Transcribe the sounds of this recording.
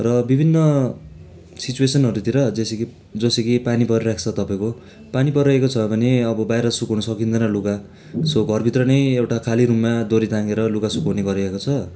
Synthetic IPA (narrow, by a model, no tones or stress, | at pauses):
rʌbibʱinːʌ | sit͡suesʌnɦʌɾut̪iɾʌd͡zeseki | d͡zʌsekipanipʌɾiɾakt͡sʰʌt̪ʌpaẽko | panipʌɾekot͡sʰʌbʱʌneʌbʌbajɾʌsukʌwnʌsʌkind̪ʌnaluka | soɡʱʌrbʱit̪rʌnʌjewʈakʰaliɾumːad̪oɾit̪ãŋɡeɾʌlukasukʌwneɡʌɾiaekot͡sʰʌ